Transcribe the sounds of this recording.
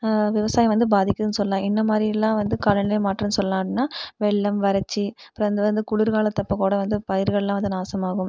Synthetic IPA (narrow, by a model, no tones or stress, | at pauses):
ʋɪʋɐsaːjɐʋɐnd̪ɯbaːðɪkʲːɐðɯnːɯsɔlːlãːɪnːɐmaːd̪ɾɪjɐlːãːʋɐnd̪ɯkɐlɐɳleːmaːʈːɾɯnsɔlːɐlãːnːaːʋɛɭːɐmʋɐɾɐt͡ʃːiɐpːɾɐɐnd̪ɯʋɐnd̪ɯkʊɭɪɾɣaːɭɐt̪ːɐpːɐkuːɽɐʋɐnd̪ɯpɐjɪɾɣɐɭɐlãːʋɐnd̪ɯnaːsɐmaːɣɯm